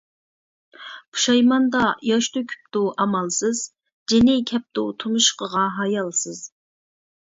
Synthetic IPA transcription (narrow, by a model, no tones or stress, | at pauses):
pʰu̥ʃɑjmɑnd̪ɑjɑʃt̪ukʲʰy̥p̚t̪uʔɑmɑlˠsɨz | d͡ʒɪnɪkʲʰɛp̚t̪ut̪ʰumuʃqəʁɑɦɑjɑlˠsɨz̥